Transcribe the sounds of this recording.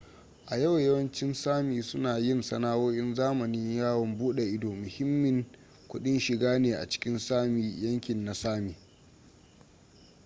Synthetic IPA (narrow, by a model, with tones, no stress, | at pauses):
ʔa˨jɐ˦wjɐ˦wɐ˦nt͡ʃɪ˦nsaː˦miː˨sʊ˦naː˨jɪ˦nsɐ˦naː˦woː˦ʔɪ˦nzaː˦mɐ˨nɪ˦ɲjaː˦wɐ˨mbuː˦ɗe˨ʔɪ˦doː˨mʊ˨hɪ˦mːɪ˨ŋ | kʷʊ˦ɗɪ˦nʃɪ˨ɡaː˦neː˨ʔa̰˨t͡ʃɪ̥˦kʲɪ˦nsaː˦mi˨jɐ˦ŋkʲɪ˨nːa˨saː˦miː˨